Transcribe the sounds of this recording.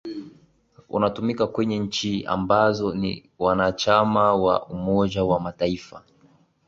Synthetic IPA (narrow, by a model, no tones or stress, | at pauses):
ṵnatumikakwɛɲɛɲ̩t͡ʃia̰mbazɔnḭ | wanat͡ʃamawa̰umɔd͡ʒawamataifa